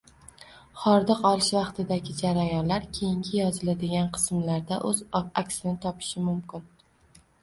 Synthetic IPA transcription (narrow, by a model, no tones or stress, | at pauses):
χɒɾd̪ɨqɒlˠɪʃvɑqt̪ʰɪd̪aɡʲɪd͡ʒaɾajɒnlaɾkʲʰe̞jɪŋɡʲɪjɒzɪlad̪ɪɡʲanqʰɨ̥smlaɾd̪aʔɵzakʲsɪnɪt̪ʰɒpʰɪ̥ʃɪmʊmkʲʰɪn